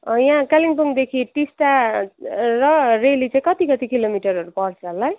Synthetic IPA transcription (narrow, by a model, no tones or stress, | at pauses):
ʌjãkaliŋpuŋd̪ekʰiʈisʈa | rʌrelit͡saĩkʌt̪ikʌt̪ikilomiʈʌɾʌɾupʌrt͡sʰʌɦlːaj